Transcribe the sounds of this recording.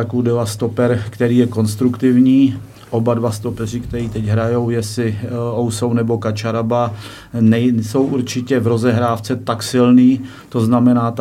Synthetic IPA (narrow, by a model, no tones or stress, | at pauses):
akuwdɛvast̪o̞pɛɾkt̪ɛɾiːjɛko̞nst̪ɾukt̪ɪvɲiː | ʔo̞badvast̪o̞pɛrɪkt̪ɛɾiːt̪ɛcɦɾajo̞wjɛsɪowsownɛbo̞kat͡ʃaɾaba | nɛjso̞wʔuɾt͡ʃɪcɛvɾo̞zɛɦɾaːft͡sɛt̪aksɪlniː | t̪o̞znamɛnaːt̪